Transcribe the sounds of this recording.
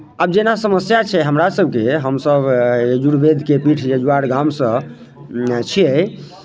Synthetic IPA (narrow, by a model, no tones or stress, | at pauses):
abd͡ʒenasəməsjat͡ʃʰɛɦəmɾasəb̚ʱkeɦəmsəbed͡ʒuɽbed̪ʱkepiʈʰjəd͡ʒuaɽɡamsə̃ | t͡ʃʰiɛ